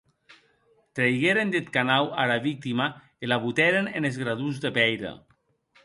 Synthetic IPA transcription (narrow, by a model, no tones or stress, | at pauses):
t̪ɾejɣeɾend̪et̪kanawaɾaβik̚t̪ima | elaβut̪ɛɾenenezɣɾaðuzd̪epɛjɾḛ